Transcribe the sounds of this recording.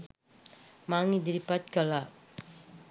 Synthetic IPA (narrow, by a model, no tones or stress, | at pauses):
maːŋid̪iɾipat͡ʃkala